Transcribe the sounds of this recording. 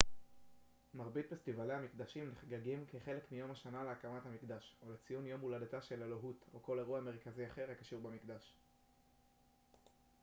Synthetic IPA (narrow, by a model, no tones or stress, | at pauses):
maʁbit̪̚bestivaleamikd̪aʃimleχɡaɡimkeχe̞lekmijo̞maʃanaleakamathamikd̪aʃolet͡sijunjo̞muladataʃe̞leloɦutoko̞leʁuame̞ʁ̞kaziaχe̞ʁakḁʃuʁbamikdaʃ